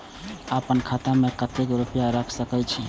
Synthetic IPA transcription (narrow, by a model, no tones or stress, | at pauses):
əpənkʰat̪amekət̪ekɾupəjaɾəkʰsəkɛt͡ʃʰi